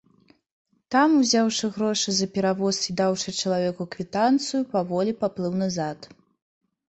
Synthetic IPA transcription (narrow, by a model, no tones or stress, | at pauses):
t̪amuzʲawʂɨɣɾɔʂɨzɐpʲɛɾavɔsid̪awʂɨt͡ʃɐlˠavʲɛkuɐkvʲit̪ant̪sɨjupavɔlʲipaplˠɨwnɐzat̪